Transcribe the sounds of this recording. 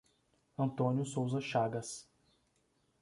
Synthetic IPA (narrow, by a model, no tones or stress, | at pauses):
ɐ̃nt̪õnjʊsowzɐʃaɡɐs